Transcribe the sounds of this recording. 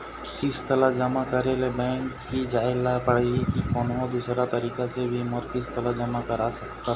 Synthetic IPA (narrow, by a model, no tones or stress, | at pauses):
kɪst̪əlad͡ʒəmakəɾelebɛ̃ːŋkːid͡ʒaːɪlapəɽeikikɔnod̪uːsɾat̪əɾiːkasebʱimɔɾkɪst̪əlad͡ʒəmakəɾasəkt̪a